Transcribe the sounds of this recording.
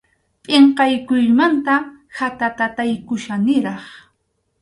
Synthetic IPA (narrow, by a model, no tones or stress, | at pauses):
pʼɪɴqɑjkʊjmant̪ahat̪at̪at̪ajkʊʃanɪɾɑχ